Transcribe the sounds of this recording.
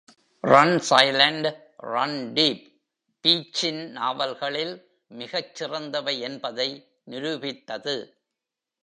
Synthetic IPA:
rɐnsɐɪlɐɳɖ | rɐnɖiːpː | iːt͡ʃːɪnnaːʋɐlɣɐɭɪl | mɪɣɐt͡ʃːɪrɐnd̪ɐʋɐɪɛnbɐðɐɪ | nɪɾɯbɪt̪ːɐðɯ

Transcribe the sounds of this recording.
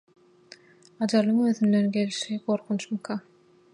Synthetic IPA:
ɑd͡ʒɑlˠɯŋøːðynd̪e̞nɡe̞lʃiɡo̞ɾqʰunt͡ʃmɯkʰɑ

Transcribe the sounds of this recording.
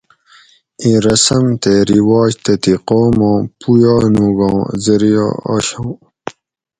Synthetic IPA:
ĩɾɐsɐmt̪eɾiwaːd͡ʑt̪ɐt̪iqoːmõːpujɑːnuɡõːzɐɾija̰ːa̰ɕõː

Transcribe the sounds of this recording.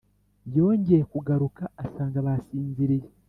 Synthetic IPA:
jo̞ːɲɟe̞kuɡaɾukaːsaːŋɡaβasiːnziɾiɾe

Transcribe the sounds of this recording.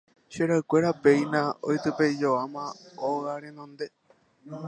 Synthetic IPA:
ʃeɾaɨkʷe̞ɾapeijnão̰jt̪ɨpeid͡ʒoamãoɣaɾenõnd̪e̞

